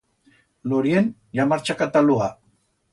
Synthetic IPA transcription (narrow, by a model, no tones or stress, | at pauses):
loɾien | ʎamaɾt͡ʃakat̪alua